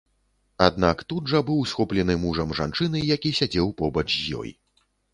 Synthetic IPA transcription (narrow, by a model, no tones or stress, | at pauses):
ad̪nakt̪ud̪ʐɐbɨwsxɔplʲɛnɨmuʐɐmʐa̰nt͡ʂɨnɨjakʲisʲad͡zʲɛwpɔbɐt͡ʂjɔ̰j